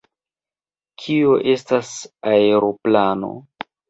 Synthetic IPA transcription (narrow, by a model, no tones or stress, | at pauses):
kʰio̞ʔe̞stasaeɾo̞plano̞̰